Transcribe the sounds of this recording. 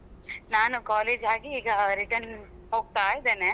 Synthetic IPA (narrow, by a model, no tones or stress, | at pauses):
naːnukaːleːd͡ʒaːɡiːɡɐɾiʈɐɾn | hoːɡ̚t̪aːjid̪eːne